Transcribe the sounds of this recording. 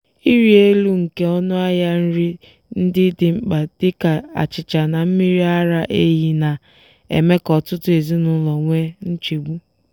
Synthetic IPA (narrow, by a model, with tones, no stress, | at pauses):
i˦ɾi˦e˦lu˦ŋ̩˨ke˦ɔ˦nʊ˦a˦ja˦n̩˦ɾi˦ | n̩˦dɪ˦dɪ˨ŋ͡m̩˦k͡pa˨d̥ɪ˦ka˨a̰˨t͡ʃɪ˨t͡ʃa˨na˨m̩˦mi˦ɾi˦a˦ɾa˦ʔe˦ɦi˦na˨ | ḛ˨me˦kɔ˨tʊ˦tʊ˦e˨zi˦nʊ˨˦lɔ˨ŋʷe˦n̩˦t͡ʃe˨ɡ͡bu˦